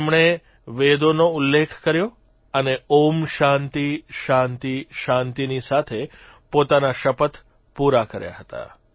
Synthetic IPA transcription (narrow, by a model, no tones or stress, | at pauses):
emɳ̃e | ʋed̪onoʊlːekʰkəɾjo | əneomʃãnt̪iʃant̪iʃãnt̪inisat̪ʰe | pot̪anaʃəpət̪ | puɾakəɾja̰ɦət̪a̰